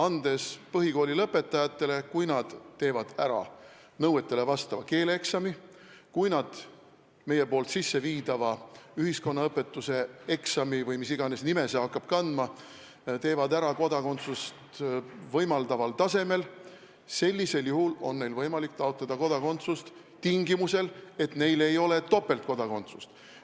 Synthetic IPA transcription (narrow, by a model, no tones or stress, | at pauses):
ɑnd̪̥e̞spɤɦiko̞ːlʲilɤpːˑe̞t̪ːˑɑjɑt̪ːˑe̞le̞kujnɑd̪̥t̪ːe̞ːvɑd̪̥æɾɑ̰ | nɤwe̞t̪ˑːe̞le̞vɑst̪ɑvɑke̞ːleeksɑmi | kujnɑd̪̥ | me̞je̞po̞ːlt̪sisːe̞viːd̪̥ɑvɑyhisko̞nːɑɤpːˑe̞t̪ːˑuse̞e̞ksɑmivɤjmisiɡ̥ɑne̞snime̞sehɑkːˑɑb̥kɑnd̪̥mɑ | t̪e̞ːvɑd̪æɾɑko̞d̪̥ɑko̞nt̪sust̪vɤjmɑld̪ɑvɑlt̪ɑse̞me̞l | se̞lʲːise̞ljuhulo̞̰nːe̞jlvɤjmɑlikt̪ɑot̪lɑd̪̥ɑko̞d̪ɑko̞nt̪sust̪ | t̪iŋɡimuse̞le̞t̪ne̞jle̞jo̞le̞t̪o̞pːˑe̞lt̪̚ko̞d̪ɑko̞nt̪su̥st̪